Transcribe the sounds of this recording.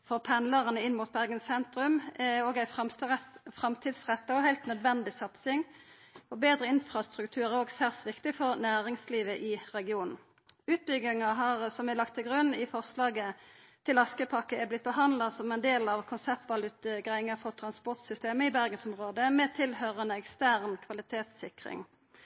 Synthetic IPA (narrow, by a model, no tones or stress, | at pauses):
fɔʁpʰɛnləʁənəɪnmuːt̪̚bæʁɡənssɛnt̪ɾʉmoːɡæɪ | fʁɑmt̪ʰiːd̪sʁɛt̪ːɑɔhæɪlt̪nœd̪ʋɛnd̪ɪsɑt̪sɪŋ | ɔbeːd̪ɾəɪnfɾʁɑst̪ʁʉkt̪ʰʉːʁæoːɡsæʁsʋɪkt̪ɪfɔʁnæːʁɪŋsliːʋəʔɪʁɛɡɪuːnn̩ | ʉːt̪̚bʏɡɪŋɑɦɑːʁsɔmælɑkt̪ʰːɪlɡʁʉnːɪfɔʁslɑːɡə | t̪ʰɪlɑskəpʰɑkːəɛblɪt̪̚bəhɑnd̪lɑsɔmɛnd̪eːlɑʋkʰʊnsɛp̚t̪ʋɑlʉt̪əɡʁæɪŋɑfɔʁt̪ʰʁɑnspɔʁt̪sʏst̪eːməɪbæʁɡənsɔmʁoːd̪əmɛt̪ʰɪlhøːʁənəɛkst̪æʁnkʰʋɑlɪt̪ʰeːt̪sɪkʁɪ̰ŋ